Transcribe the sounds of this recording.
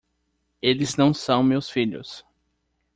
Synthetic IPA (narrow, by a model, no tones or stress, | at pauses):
elɪznɐ̃w̃sɐ̃w̃mewsfiʎʊ̰s